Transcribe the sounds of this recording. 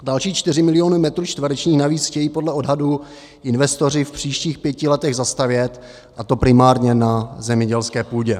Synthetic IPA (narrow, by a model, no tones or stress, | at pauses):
dalʃiːt͡ʃt̪ɪrɪmɪlɪo̞numɛt̪ɾuːt͡ʃt̪vɾɛt͡ʃɲiːxnaviːt͡sxcɛjiːpo̞dlɛo̞dɦadu | ʔɪnvɛst̪o̞r̝ɪfpr̥iːʃciːxpjɛcɪlɛt̪ɛɣzast̪avjɛt̪ | ʔat̪o̞pɾɪmaːɾɲɛnazɛmɲɛɟɛlskɛːpuːɟɛ